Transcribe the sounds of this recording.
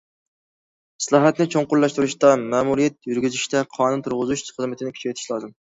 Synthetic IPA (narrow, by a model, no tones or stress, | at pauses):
sɨlˠɑːɦɛt̪nɪt͡ʃʰoɴqʊɾlˠɑʃt̪uɾuʃt̪ɑmɛmuɾijɛt̪̚jyɾɡʲyzyʃt̪ɛqʰɑːnunt̪ʰuɾʁʊzuʃχəzmɪt̪ʰɪnɪkʰʲy̥t͡ʃʰɛt̪ʰɪ̥ʃlˠɑːzɨm